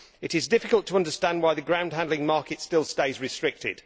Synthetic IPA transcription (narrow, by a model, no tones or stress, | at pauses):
ɪɾɪzdɪfɪkəlˠtʰəʌ̃ndəstæ̃nd̚waɪðəɡɹãʊ̃nd̥̚ɦæ̃ndˡlɪ̃ŋmɑˑkɪtstɪlˠsteɪzɹɪstɹ̥ɪk̚tɪ̰d̥